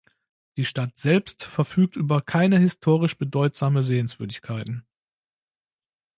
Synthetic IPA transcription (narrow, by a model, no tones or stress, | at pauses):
d̥iːʃtatz̥ɛlpstfɛɐfyːk̚tʔyːbɐkʰaɪnəhɪstʰoːʁɪʃb̥ədɔʏtz̥aːməzeːənsv̥ʏɐdɪçkʰaɪtn̩